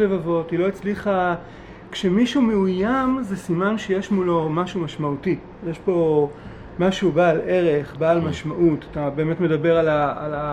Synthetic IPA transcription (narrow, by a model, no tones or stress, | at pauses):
levavo̞tilo̞it͡sliχa | kʃemiʃumeujamzesimanʃejeʃmulo̞maʃumaʃmauti | jeʃpo̞ | maʃubaːle̞ʁe̞χbaːlmaʃmaʔutḁtabe̞ːme̞tmedabe̞ʁalaːla